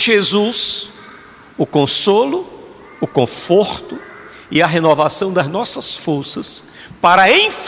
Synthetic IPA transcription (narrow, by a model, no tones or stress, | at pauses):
ʒezus | ʊkõsolʊː | kõfoɾt̪ʊ | ɪɐɦenovasɐ̃w̃d̪ɐznɔsɐsfoɾsɐs | paɾɐẽj̃f